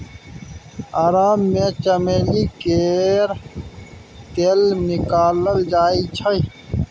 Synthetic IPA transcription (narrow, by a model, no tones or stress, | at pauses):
aːɾaːmːẽt͡ɕɐmeːlikeːɾ | t̪eːlnikaːləld͡ʑaːit͡ɕʰɐi